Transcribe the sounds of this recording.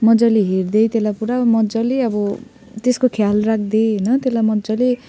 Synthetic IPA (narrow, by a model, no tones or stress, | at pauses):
mʌd͡zʌleɦerd̪ʌjt̪elapuɾamʌd͡zʌleʌbʌ | t̪eskokʰjalrak̚ʰd̪eɦʌjnʌt̪elamʌd͡zʌle